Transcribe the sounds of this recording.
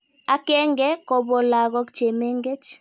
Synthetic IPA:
a˨kɛ˦ŋɡɛ˦kɔ˨bɔ˨la˨ɣɔ˦kt͡ʃe˨me˦ŋɡe˦t͡ʃ

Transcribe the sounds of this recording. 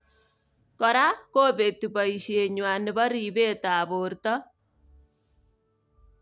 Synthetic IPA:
kɔ˨ɾa˦koː˦be˨tu˨bɔ˨i˨ʃe˨ɲwa˨nɪ˨bɔ˦ɾi˨be˦ta˨bo˨ɾtɔ˦

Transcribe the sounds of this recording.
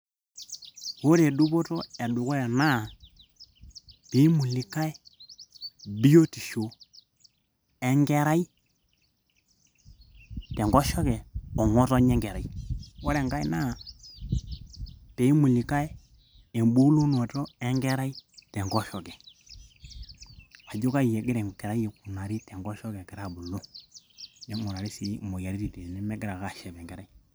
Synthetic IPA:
o˦ɾɛ˨ɗu˦βɔ˦tɔ˦ɛ˨ɗu˨kɔ˦ɛ˨na˦˨ | pe˨˦i˦mu˨li˨ka˦ɛ˦ | bi˦o˦ti˨ʃo˨ | ɛ˦ŋɡɛ˦ɾa˦i˦ | tɛ˨ŋɡɔ˦ʃɔ˦kɛ˨ɔ˨ŋɔ˦tɔ˦ɲɛ˦ŋɡɛ˨ɾa˨i˦ɔ˦ɾɛ˨ŋɡa˦ɛ̰˦na˦˨ | pɛ˨i˦mu˨li˨ka˦ɛ˦ | ɛ˨mbu˦lu˦nɔ˨tɔ˦ɛ˦ŋɡɛ˦ɾa˦i˦tɛ˨ŋɡɔ˦ʃɔ˨kɛ˨ | a˨d͡ʒu˦ka˦i˨jɛ˨ɡɪ˦ɾɛ˨ŋ˨kɛ˨ɾa˦ɛ˨ku˨na˨ɾi˦tɛ˨ŋɡɔ˦ʃɔ˦kɛ˨kɛ˨ɾa˦˨bu˨lɔ˦ | nɛ˦mu˨ɾa˨ɾi˦si˦˨mɔ˨ja˨ɾi˦ɾi˨tɛ˨nɛ˦mɛ˦ɡɪ˦ɾa˨ka˦˨ʃɛ˨βɛ˨ɡɛ˨ɾa˦i˦

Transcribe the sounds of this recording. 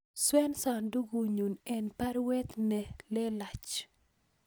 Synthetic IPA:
swɛ˦nsa˨ndu˦ɡu˨ɲu˨nɛ˨npa˦ɾwɛ˦t̪nɛ˨lɛ˦la˨t͡ʃ

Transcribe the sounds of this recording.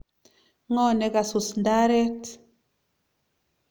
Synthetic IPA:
ŋɔ˦˨nɛ˨ka˨su˨snda˦ɾɛ˦t

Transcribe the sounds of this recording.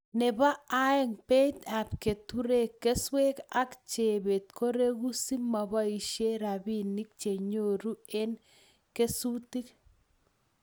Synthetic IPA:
nɛ˨ba˦a˦ɛ˦ŋpe˦t̪a˨pke˨tuɾe˨kːe˦swe˦ka˦kt͡ʃe˨be˨t̪̚ko˦ɾe˦ɣu˦si˦ma˨ba˦i˨ʃe˦ɾa˨bi˦ni˦k̚t͡ʃe˨ɲo˨ɾu˦e˦n | ke˦su˦ti˦k

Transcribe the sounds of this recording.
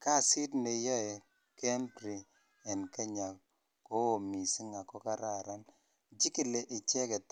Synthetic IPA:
ka˦˨si˦tne˨jɔ˦ɛ˨ | kɛ˦mbɾi˨ | ɛ˨nke˦ɲa˨ | ko˦o˨mi˨si˦ŋa˨kɔ˦ka˦ɾa˨ɾa˦n | d͡ʒi˦ki˨le˨ʔɪ˨t͡ʃɛ˦kɛ˨t

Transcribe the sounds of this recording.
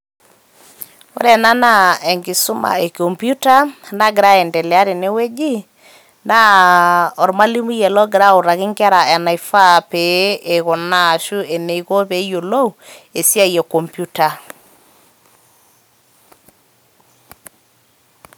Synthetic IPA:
o̰˦ɾɛ˨na˦na˦e˨ŋɡɪ˨su˦ma̰˨e˨ko˨mpu˦ta˦nda˦ɡɪ˨ɾa˦e˨ndɛ˨lɛ˨a˦ɾi˨ne˦we˦d͡ʒi˦ | nda˦ | ɔ˨ɾma˦li˦mu˦jɛ˨lɔ˦ɡɪ˨ɾa˦u˨ɾa˨kɪ˦ŋka˦ɾa˨ɛ˨na˨i˨fa˦˨pe˨˦e˨kɔ˨na˨ʃu˦e˨ne˨i˨ko˦pe˦jo˨lo˦˨e˨si˦a˦je˨ko˨mpju˦ta˨

